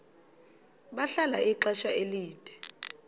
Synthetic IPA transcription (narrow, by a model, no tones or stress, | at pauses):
ɓaɬalaʔiǃaʃaeliːd̥ʱɛ̥